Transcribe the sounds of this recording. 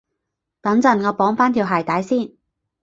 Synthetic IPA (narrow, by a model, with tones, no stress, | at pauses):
t̪ɐ˨˥ŋt͡sɐ˨˩nkɔː˧pɔː˨˥ŋfaː˥nt̪ʰiː˨wɦaː˨jt̪a˨˥jsiː˥˨n